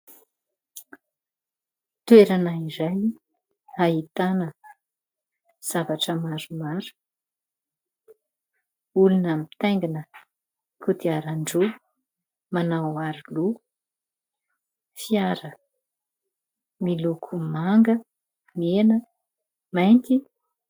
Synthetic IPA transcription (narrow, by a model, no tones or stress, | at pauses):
t̪ueɾanaizaj | aɦit̪anə | z̥avaʈ͡ʂəmaɾumaɾu̥ | ulunami̥t̪ajŋɡanə | kut̪iaɾaɳɖ͡ʐu | manawaɾilu | fiaɾə | milukʰumaŋɡə | menə | majnt̪i